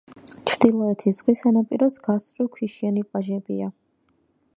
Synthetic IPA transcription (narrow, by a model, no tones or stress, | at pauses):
t͡ʃʰɾd̪̥ilˠɔɛt̪ʰisz̥ʁwisanapʼiɾɔsɡasʼɾikʰiʃianipʼlaʒɛbḭa